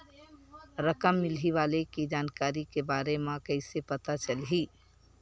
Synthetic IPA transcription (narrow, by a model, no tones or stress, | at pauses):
ɾəkəmːɪlɦiʋaːlekid͡ʒaːnkaːɾikebaːɾemãkəɪsepət̪at͡ʃəlɦiː